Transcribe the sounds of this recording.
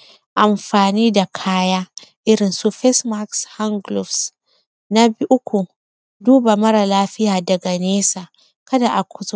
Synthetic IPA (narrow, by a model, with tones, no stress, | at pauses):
ʔa˨mɸaː˨niː˦da˨kʰaː˦jaː˦ʔɪ˦ɾɪ˨nsu˦ɸɛ˦sma˦ksha˦ŋɡlu˨fs | na˦bi˦ʔʊ˦kʷu˨ | duː˦ba˨mɐ˦ɾa˨laː˦ɸɪ˦jaː˨dɐ˨ɡa˨neː˦sa˨ | kɐ˦da˨ʔa˨kʷʰʊ˦zu˦